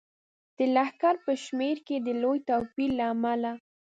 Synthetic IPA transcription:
d̪̥əlahkaɾpəʃmeɾked̪əlojt̪afillːaːmala

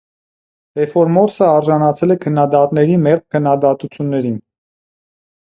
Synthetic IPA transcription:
ɛfɔɾmɔɾsəɑɾʒɑnɑt͡sʰɛlɛkʰənːɑd̪ɑt̪nɛɾimɛʁkʰənːɑd̪ɑt̪ut͡sʰjunːɛɾin

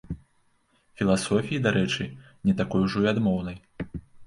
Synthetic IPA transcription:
fʲilˠasɔfʲijid̪aɾɛt͡ʂɨ | nʲɛt̪akɔjuʐɔiad̪mɔwn̪ɐj

